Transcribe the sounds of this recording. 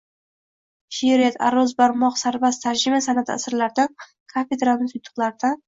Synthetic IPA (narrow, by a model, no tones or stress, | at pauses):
ʃeɾat̪ʰa̰ɾɒzbaɾmɒqsaɾbast̪ʰaɾd͡ʒɪmasanat̪ʰɪ̰a̰sɨɾlaɾd̪an | kʰafe̞d̪ɾalˠnɪsʊjt̪ʰːʊ̥qlˠaɾd̪a